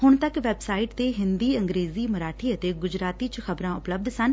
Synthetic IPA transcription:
hʊɳ̃t̪əkʋɛbsaːɪʈt̪eːɦɪnd̪iːəŋɡɾeːziːməɾaːʈʰiːət̪eːɡʊd͡ʒɾaːt̪iːt͡ʃxəbɾãːʊpləb̚d̪sən

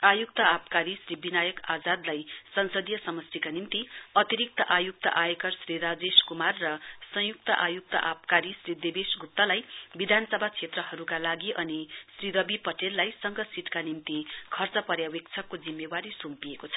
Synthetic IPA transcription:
ajuk̚t̪ʌapkaɾisribinajʌkad͡zad̪lajsʌnsʌd̪jʌsʌmʌstikanimt̪iʌt̪iɾik̚t̪ʌ̰ʔajuk̚t̪ʌ̰ʔajekʌrsriɾad͡zeskumarːʌsʌ̃juk̚t̪ʌʔajuk̚t̪ʌ̰ʔap̚kaɾisrid̪ebesɡʱup̚t̪ːʌlajbid̪ʱanʌsʌbʱat͡sʰet̪rʌɦʌɾukalaɡiʔʌnisriɾʌbipʌʈelːajsʌŋɡʌsiʈ̪kanimt̪ikʰʌrt͡sʌpʌɾjawek̚t͡sʰʌkːod͡zimːewaɾisumpijekot͡sʰʌ̥

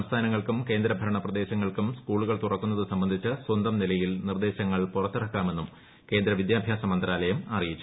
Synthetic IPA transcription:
ɐmst̪ʰaːnɐŋːɐɭkumke̞ːnd̪ɾɐbʱɐɾɐɳɐprɐd̪e̞ːɕɐŋːɐɭkumskuːɭuɣɐɭt̪urɐkːunːɐðɨsɐmbɐnd̪ʱit͡ɕːɨswɐnd̪ɐmnilɐjilnird̪e̞ːɕɐŋːɐɭpurɐt̪ːurɐkːaːme̞nːum | ke̞ːnd̪ɾɐʋid̪jaːbʱjaːsɐmɐnd̪ɐɾaːlɐjɐmɐrijit͡ɕːu̥

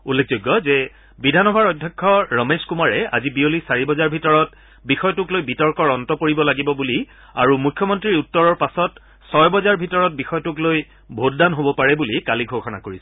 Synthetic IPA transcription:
ulːek̚ʰzojɡːɔzɛ | bidʱanɔbʱaɹɔdʱjɔkʰːɔɹɔmeskumaɹɛa̰zibiolisaɹibɔzaɹbʱitɔɹɔt | bixɔjɔtʊklojbitɔɹkɔɹɔntɔkoɹibɔlaɡibɔbuli | aɹumukʰjɔmɔntɹiɹutːɔɹɔɹpasɔt | sɔjbɔzaɹbʱitɔɹɔt̚bixɔjɔtʊkloj | bʱotdanɦobɔpaɹɛbulikaliɡʱoxɔna̰koɹisɛ̥

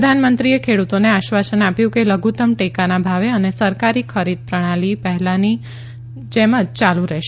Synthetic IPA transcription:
əd̪ʱanmənt̪ɾiekʰeɽut̪oneaʃʋasənapjũkeləɡʱut̪əmʈekanabʱaʋeənesəɾkaɾikʰəɾid̪̚pɾəɽ̃alipɛɦɛlani | t͡ʃeməd͡ʒt͡ʃalũɾɛʃ

